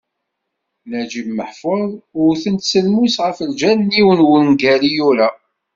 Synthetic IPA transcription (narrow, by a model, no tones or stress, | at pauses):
næd͡ʒimməħfəðˤʊɾθənt̪səlmusʁəfəld͡ʒænnːiwənwənnɡælijuɾa